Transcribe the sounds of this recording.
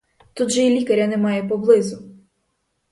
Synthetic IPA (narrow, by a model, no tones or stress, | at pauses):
t̪ud̪ʒɛilʲikɐɾʲjɐnɛmɑjɛpɔblˠɪzʊ